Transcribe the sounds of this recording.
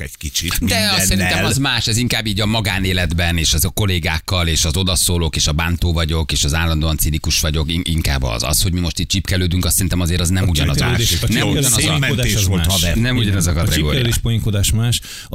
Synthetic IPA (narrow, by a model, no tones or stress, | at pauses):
ɛ̥kit͡ʃit̪d̪ɛɒsɛɾint̪ɛlmɒzmaːʃɛziŋkaːbːiːɟɒmɒɡaːneːlɛd̪bɛneːʃɒzko̞leːɡaːkːɒleːʃɒzo̞d̪ɒsoːlo̞keːʃɒbaːnt̪oːvɒɟo̞keːʃɒzaːlːɒnd̪oɒnsilikuʃʋɒɟo̞kiiŋka̰ːbɒ̰zɒ̰sho̞ɟmimo̞ʃt̪iːt̚t͡ʃipkɛløːd̪yŋkɒst̪ːɛɾint̪ɛmɒzeːɾɒznɛmuɟɒnɒza̰ːʃnɛmuɔnmɛeɛolɛnɛmuɟɒnɛzɒkɒt̪ɛɡo̰ːɾḭeʃpojiŋkod̪aːʃmaːʃ